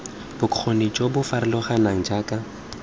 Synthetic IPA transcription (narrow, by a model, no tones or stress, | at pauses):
b̥ʊkʰonit͡ʃʼobʊfaɾɪlɔχanaŋ̩d͡ʒaːkʼa